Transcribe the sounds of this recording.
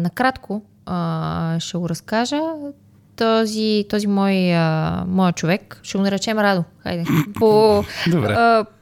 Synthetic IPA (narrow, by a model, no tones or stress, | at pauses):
nɐkɾat̪kʰo | əʃɛɡoɾɐskaʒə | t̪ɔzit̪ɔzimɔjəmɔjət͡ʃovɛkʃɛɡonɛɾɛt͡ʃɛmɾad̪oxa̰jd̪ɛpod̪obɛ̰